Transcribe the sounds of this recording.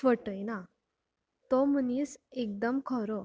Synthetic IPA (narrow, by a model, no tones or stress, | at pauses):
ʋəʈəjna | t̪ɔm̤əniːsek̚d̪əmkʰɔɾɔ